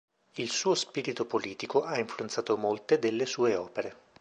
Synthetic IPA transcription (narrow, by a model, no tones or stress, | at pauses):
ilsuːospiːɾit̪opoliːt̪ikoʔaiɱfluent̪saːt̪omolt̪ed̪elːesuːeɔːpeɾe